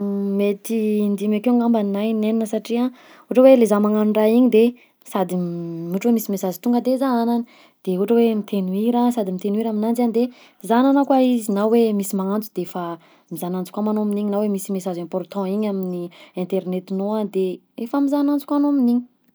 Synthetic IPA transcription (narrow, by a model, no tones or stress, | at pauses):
met̪ind̪imakeŋambanajneninəsaʈ͡ʂia | uʈ͡ʂəwelezamaŋanuɳɖ͡ʐaiɲid̪e | sad̪imuʈ͡ʂwemisimesazit̪uŋɡəd̪ezaananə | d̪̥euʈ͡ʂəwemit̪ʰenuiɾasad̪imit̪enuwiɾaminand͡zand̪e | zananakwaizinawwemisimaŋant͡sud̪eefə | mizanant͡su̥kʷamanominiɲinawemisimesazɛ̃mpɔrt̪ɔ̃iɲaminiɛ̃nt̪eɾnet̪inoad̪e | efəmizanant͡su̥kanominiɲi̥